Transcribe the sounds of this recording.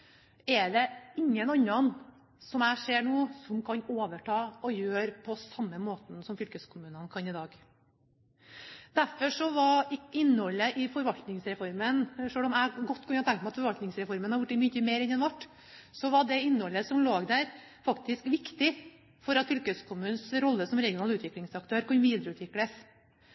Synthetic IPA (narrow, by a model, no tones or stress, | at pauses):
ɛɖɛɪŋːənɑnːɑn | sɔmæɪʂeːɳuːsɔmkʰɑnoːʋəʈʰɑːɔjøːɾpʰɔsɑmːəmoːt̪n̩sɔmfʏlkəskʰʊmʉːnənkʰɑnɪd̪ɑːɡ | d̪̥æɾfɔʂɔʋɑɾɪɪnːhɔlːəʔɪfɔɾʋɑlt̪nɪŋsɾɛfɔɾmənʂøːlɔmæɡɔt̪ːkʰʉnːɑt̪ɛŋk̪t̪mæɑt̪fɔɾʋɑlt̪nɪŋsɾɛfɔɾmənhɑɾjʊʈːɪmʏçəmeːɾɛnːɛnʋæʈː | sɔʋɑɖɛɪnːhɔlːəsɔmloːɡd̪æɾ | fɑkt̪ɪskʋɪkt̪ɪ | fɔɾɑt̪fʏlkəskʰʊmʉːnsɾɔlːəsɔmɾɛɡɪʊnɑːlʉːt̪ʋɪklɪŋsɑk̚t̪ʰøːɾkɑnʋiːd̪ɾəʉːt̪ʰʋɪkləs